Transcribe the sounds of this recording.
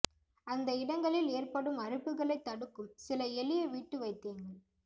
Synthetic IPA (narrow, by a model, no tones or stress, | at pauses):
ɐnd̪ɐɪɽɐŋɡɐɭɪleːrpɐɽɯmɐrɪpːɯɣɐɭɐɪt̪ːɐɽɯkːɯmsɪlɐɛlɪjɐʋiːʈːɯʋɐɪt̪ːeːŋɡɐɭ